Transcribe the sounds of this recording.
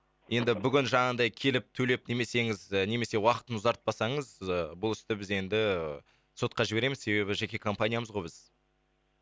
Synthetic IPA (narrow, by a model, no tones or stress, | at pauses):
jʔe̞nd̪ɪbʏɡʲɪnʒɑɴɑnd̪ɑjkʲʰe̞lɪp̚t̪ʰɵle̞p̚ne̞me̞se̞ŋɪzəne̞me̞se̞wɑqət̪ənʊzɑɾt̪̚pɑsɑɴəzəbʊlˠʏst̪ɪbɪze̞nd̪ɪ | so̞t̪̚qɑʒɪbe̞ɾe̞mɪzse̞βe̞bɪʒe̞kʲe̞kʰo̞mpanʲijaməzʁo̞jbɪz̥